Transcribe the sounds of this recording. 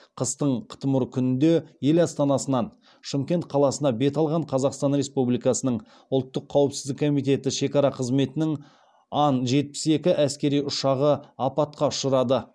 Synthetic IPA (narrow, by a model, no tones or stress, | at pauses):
qʰəst̪əɴqʰə̥t̪əmʊɾkʲʰʏnɪnd̪e̞je̞lɑst̪ɑnɑsənɑn | ʃəmkʲe̞nt̪̚qʰɑlˠɑsənɑbe̞t̪ɑlˠʁɑɴqʰɑzɑqst̪ɑnɾe̞spublijkɑsənəɴ | ʊlˠt̪ːəqʰːɑwəpsɪzd̪ɪkʰːo̞mijt̪e̞t̪ɪʃe̞kɑɾɑqʰəzme̞t̪ɪnɪŋ | ɑnʒe̞t̪̚pɪ̥se̞kʲɪʔæskʲe̞ɾijʊʃɑʁəɑpɑt̪̚qɑʊʃəɾɑd̪ə